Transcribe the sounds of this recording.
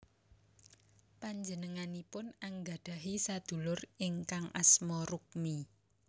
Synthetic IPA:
paɲd͡ʒənəŋanipʊnaŋɡa̤ɖ̥a̤ɦisad̪̥ṳlʊrɪŋkaŋʔa̰smɔɾuk̚mi

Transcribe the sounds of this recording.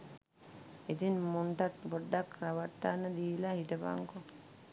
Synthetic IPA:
it̪inmuɳʈat̪poɖːakraʋaʈːanːəd̪iːlahiʈəpa̰ŋko

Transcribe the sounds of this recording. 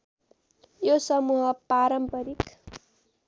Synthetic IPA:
josʌmuɦʌpaɾʌmpʌɾik

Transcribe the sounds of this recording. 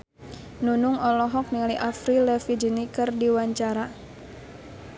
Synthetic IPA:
nunuŋɔlɔɦɔk̚niŋaliʔafɾilɛfid͡ʒinikɨrdiwaɲt͡ʃaɾa

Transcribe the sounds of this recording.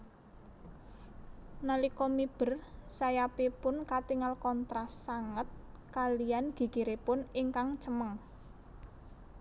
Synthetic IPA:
nalikɔmib̥ə̤rsajapipʊnkat̪iŋalkɔnt̪ɾasaŋət̪̚ | kalijanɡ̥i̤ɡiɾepʊniŋkaŋt͡ʃəməŋ

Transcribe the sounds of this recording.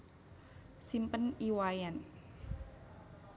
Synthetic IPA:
simpəniwajɛn

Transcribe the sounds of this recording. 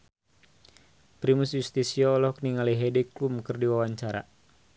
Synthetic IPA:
pɾimusjust̪isiɔlɔhkniŋaliɦɛdɛklumkərdiwawaɲt͡ʃaɾa̰

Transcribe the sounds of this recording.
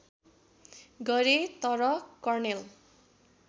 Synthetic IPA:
ɡʌɾet̪ʌɾʌkʌrnel

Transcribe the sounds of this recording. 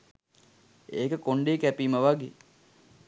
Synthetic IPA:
eːkəkoɳɖeːkæpiːməʋaɡeː

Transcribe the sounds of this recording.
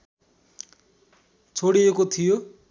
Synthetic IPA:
t͡sʰoɽiekot̪ʰijo

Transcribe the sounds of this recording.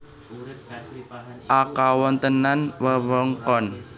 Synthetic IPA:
ʔakawɔnt̪ənanwəwɔŋkɔn

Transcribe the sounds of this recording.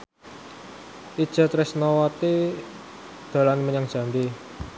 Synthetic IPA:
ʔid̥ʒ̥a̤t̪ɾɪsnɔwat̪i | d̪̥a̤lanməɲaŋd̥ʒ̥a̤mbe

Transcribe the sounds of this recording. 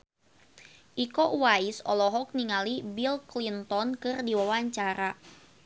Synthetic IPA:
ʔikɔʔwaisɔlɔɦɔk̚niŋalibilklint̪ɔnkɨrdiwawaɲt͡ʃaɾa

